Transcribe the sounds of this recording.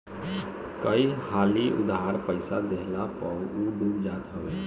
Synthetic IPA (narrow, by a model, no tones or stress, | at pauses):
kəihaːliʔʊ̰d̪aaɾpəɪsad̪eɦlapəuɖuːkd͡ʒaːt̪ɦəʋeː